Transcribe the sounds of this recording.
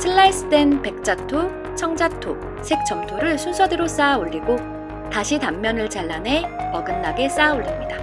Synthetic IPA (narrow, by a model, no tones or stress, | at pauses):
sʰɯɭːais͈ʰɯ̥d͈e̞npe̞k̚t͡ɕ͈atʰo | t͡ɕʰʌŋd͡ʑatʰo | sʰe̞k̚t͡ɕ͈ʌmtʰoɾɯɭsʰunsʰʌdɯɾos͈aoʎːiɡo | taɕʰitamːjʌnɯɭt͡ɕaɭːanɦe̞pʌɡɯnːaɡe̞s͈aoʎːimɲida